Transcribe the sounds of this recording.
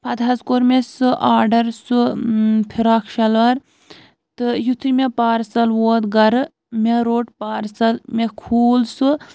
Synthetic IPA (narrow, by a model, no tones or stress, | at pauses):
pʰɐd̪ɦɐzkoɾmesɨʔaːɖɐɾsupʰiɾaːkʰʃɐlʋɐɾ | t̪ɨjut̪ʰɾimʲepaːɾsɐlʋoːd̪ɡɐɾɨ | mʲeɾoːʈpaːɾsɐlmekʰuːlsɨ